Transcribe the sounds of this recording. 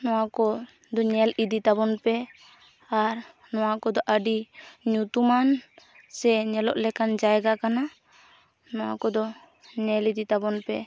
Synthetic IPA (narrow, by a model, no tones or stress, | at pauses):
nɔwakɔ | d̪ɔɲɛlid̪it̪abɔnpɛ | aɾ | nɔwakɔd̪ɔʔəɖiɲut̪uman | sɛɲɛlɔʔlɛkand͡ʒajɛɡakana | nɔwa̰kɔd̪ɔ | ɲɛlid̪it̪abɔnpɛ